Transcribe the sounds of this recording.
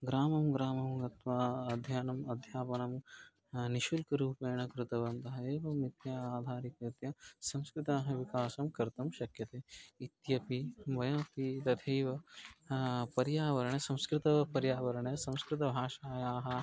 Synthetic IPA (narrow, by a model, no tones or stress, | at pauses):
ɡɾaːmɐmɡɾaːmɐmɡɐt̪ʋaːɐd̪ʱjaːnɐmɐd̪ʱjaːpɐnɐm | niʃulkɐɾuːpeːɳɐkɾɪt̪ɐʋɐnt̪ɐɦɐeːʋɐmit̪jaːaːd̪ʱaːɾikɐt̪jɐsɐ̃mskɾɪt̪aːɦɐʋikaːsɐmkɐɾt̪ɐmʃɐkjɐt̪eːit̪jɐpiʋɐjɐ̃ːpit̪ɐd̪ʰʱeːʋɐ | pɐɾjaːʋɐɾɐɳɐsɐ̃wskɾɪt̪ɐpɐɾjaːʋɐɾɐɳɐsɐ̃w̃skɾɪt̪̬ɐbʱaːʃaːjaːɦɐ